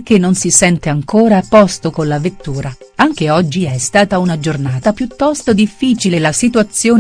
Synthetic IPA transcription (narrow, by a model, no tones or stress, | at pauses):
k̟enːonsisɛnt̪eaŋkoːɾaːpɔst̪okonlavet̪ːuːɾaaŋk̟eɔd͡ʒːiɛst̪aːt̪aunad͡ʒornaːt̪apjut̪ːɔst̪od̪ifːiːt͡ʃilelasit̪uat̪sːjoːn